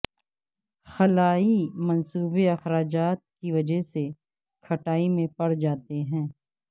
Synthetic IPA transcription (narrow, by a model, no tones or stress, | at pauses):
xɐlaːimɐnsuːbeɐxɾaːd͡ʒaːt̪̚kiʋɐd͡ʒəɦse | kʰɐʈaːimẽpɐɽd͡ʒaːt̪eɦɛ̃ː